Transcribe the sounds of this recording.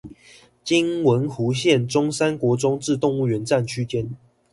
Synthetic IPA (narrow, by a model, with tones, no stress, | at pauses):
t͡ɕi˦ŋwə˨˥nxu˨˥ɕjɛ˥˨nʈ͡ʂʊ˥ŋsa˦nkwɔ˨˥ʈ͡ʂʊ˥ŋʈ͡ʂɻ̩˥˧t̪ʊ˥˧ŋu˥˩ɥɛ˨˦nt͡sa˥˨nt͡ɕʰy˦t͡ɕjɛ˦n